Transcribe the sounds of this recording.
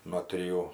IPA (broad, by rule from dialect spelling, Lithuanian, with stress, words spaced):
nuɔ tʲrʲɪˈjuː